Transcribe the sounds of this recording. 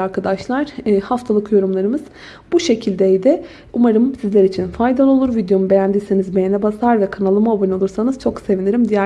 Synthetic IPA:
aɾkʰad̪aʃlˠaɾ̥haft̪ʰalˠɯkjo̞ɾumlˠaɾɯmɯz̥ | buʃe̞cʰilʲd̪ejd̪ɪ | umaɾɯmsizlʲeɾit͡ʃʰinfajd̪alˠolˠuɾvid̪jo̞mube̞jænd̪isenizbejenʲɛbasaɾvɛkʰanalˠɯmaobino̞lˠuɾsanɯz̥t͡ʃʰo̞kse̞viniɾimd̪ijæ

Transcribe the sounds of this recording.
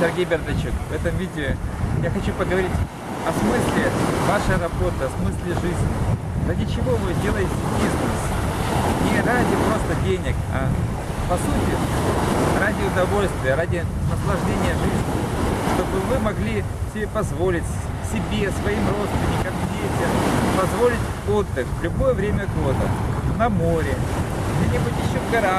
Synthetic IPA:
sʲɪrɡʲejbʲɪrd̪ɐt͡ɕukvɛt̪əmvʲidʲɪʊjaxɐt͡ɕupəɡəvɐɾʲitʲ | ɐsmɨsʲlʲɪvaʂəjrɐbo̞t̪ɨɐsmɨsʲlʲɪʐɨzʲnʲɪ̰ | radʲɪt͡ɕɪvo̞mɨdʲe̞lˠəjɪmsʲbʲiznɨs | nʲɪradʲɪpɾo̞st̪ədʲenʲɪk | ɐ̰ | pɐsutʲɪ | ɾadʲɪʊd̪ɐvo̞lʲst̪vʲɪjəɾadʲɪnəslˠɐʐdʲenʲɪjəʐɨzʲnʲɪʂt̪o̞bɨmɨmɐɡlʲi | sʲɪbʲepɐzvo̞lʲɪtʲ | sʲɪbʲe̞svɐimro̞t̪st̪vʲɪnʲɪkəmdʲejsʲtʲɪpɐzvo̞lʲɪtʲ | o̞d̪ːɨxvlʲʊbo̞jəvɾʲemʲəɡod̪ənɐmo̞ɾʲɪ | ɡdʲenʲɪbutʲjɪɕːovɡɐɾa

